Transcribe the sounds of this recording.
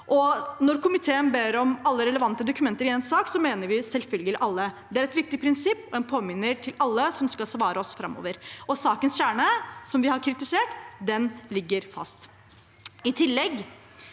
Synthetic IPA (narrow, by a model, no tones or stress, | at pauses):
ʔɔnɔɾkʰʊmɪt̪ʰeːənbeːɾɔmɑlːəɾɛləʋɑnt̪əd̪ʊkʉmɛnt̪əɾɪɛːnsɑːksɔmeːnəɾʋɪsɛlfœlɡəlɪʔɑlːəd̪ɛæɾɛt̪ʋɪk̚t̪ɪpʰɾɪnsɪpːɔɛnpʰoːmɪnːəʈʰɪlɑlːəsɔmskɑlsʋɑːɾəɔsfɾɑ̰mːɔ̰ːʋəɾɔsɑːkənsçæːɳəsɔmʋɪhɑɾkʰɾɪt̪ɪseːʈd̪ɛnlɪɡːəɾfɑ̰st̪ | ɪt̪ʰɪlːɛɡ